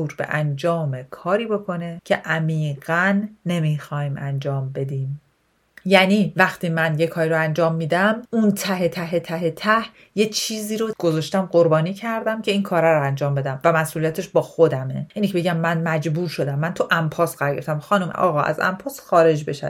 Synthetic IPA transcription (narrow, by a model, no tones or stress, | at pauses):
uːɾbe̞̰ʔænd͡ʒɒːmekʰɒːɾiːbo̞kʰo̞necʰe̞ʔæmiːɣænːe̞mixɒːjmæ̰nd͡ʒɒːmbe̞d̪iːm | jæniːvæxt̪ʰiːmænjekʰɒːɾiːɾoænd͡ʒɒːmːiːd̪æmunt̪ʰæɦet̪ʰæɦet̪ʰæɦe̞t̪ʰæh | je̞t͡ʃʰiːziːɾoɡ̥o̞zɒːʃt̪æmɢo̞ɾbɒːniːcʰæɾd̪æmcʰe̞iːŋkʰɒːɾæɾoænd͡ʒɒːmbe̞d̪æmvæmæsʔulijæt̪ʰe̞ʃbɒːxod̪æmḛʔiːncʰebeɟæmːænmæd͡ʒbuːɾʃo̞d̪æmːænt̪ʰuʔæmpʰɒːsɢæɾɡeɾft̪æmxɒːnum̰ɒ̰ːɣɒːʔæ̰zæ̰mpʰɒːsxɒːɾe̞d͡ʒbe̞ʃæ̰